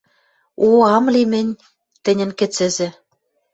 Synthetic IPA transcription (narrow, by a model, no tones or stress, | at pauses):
uɑmlimɘ̆nʲ | t̪ɘ̆nʲɘ̆nkĕt͡sɘ̆zĕ